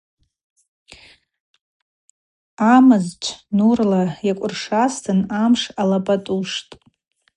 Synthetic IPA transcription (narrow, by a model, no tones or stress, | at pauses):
amɨzt͡ʃʷʰnurlajakʷʼʊrʂastʰɨnamʂalapʼatʼuʂtʼ